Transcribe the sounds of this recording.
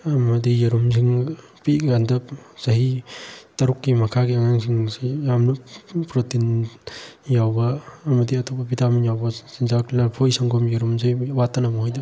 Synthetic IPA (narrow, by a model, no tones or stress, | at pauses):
ɐmɐdijaɾums̬ʰiŋ | piɡandɐp̚z̥ɐɦitɐɾukːimɐkʰaɡiaŋaŋsʰiŋsijamnupɾotin | jawbɐːmɐdiɐtʰɔpɐbitaminjawbɐsinzakilaɾpʰojsaŋɡɔmjaɾumzejwatːanamɔɦɔjdɐ